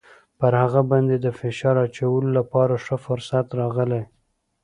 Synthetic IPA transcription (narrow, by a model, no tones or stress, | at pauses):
pəɾhaɣabɑnd̪ed̪əfɪʃɑɾat͡ʃawəlolapɑɾaʂəfʊɾsat̪ɾɑɣəlaj